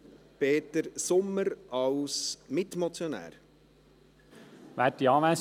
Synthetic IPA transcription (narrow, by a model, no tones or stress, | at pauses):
peːtəɾsʊmːəɾɑwsmɪtmɔt͡sjɔnæ̰ːɾ | ʋætiɑːʋæs